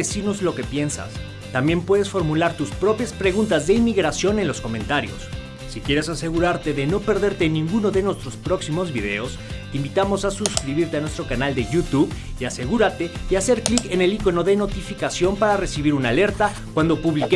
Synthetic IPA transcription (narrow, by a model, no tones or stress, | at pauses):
esino̞zlo̞ke̞pje̞nsa̰s | t̪ambje̞mpwe̞ðe̞sfo̞ɾmulaɾt̪uspɾo̞pjaspɾe̞ɣ̞unt̪azðe̞imiɣɾasjo̞ne̞nlo̞sko̞mẽ̞nt̪aɾjo̞̰sː | ikje̞ɾe̞sase̞ɣuɾaɾt̪e̞ðeno̞pe̞ɾðe̞ɾt̪enĩŋɡuno̞ðe̞nwe̞st̪ɾo̞spɾo̞ksimo̞zβiðe̞̰o̞s | t̪eimbit̪amo̞sasuskɾiβiɾt̪e̞anwest̪ɾo̞kanald̪e̞ʝut̪uβiase̞ɣuɾat̪e̞iase̞ɾklike̞ne̞liko̞no̞ðe̞no̞t̪ifikasjo̞mpaɾare̞siβiɾunale̞ɾt̪a | kwand̪o̞puβlike